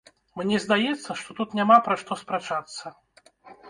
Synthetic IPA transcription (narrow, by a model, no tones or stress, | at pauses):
mnʲɛzd̪ajɛt̪sːɐʂt̪ɔt̪ut̪nʲamapɾaʂt̪ɔspɾɛt͡ʂat̪sːɐ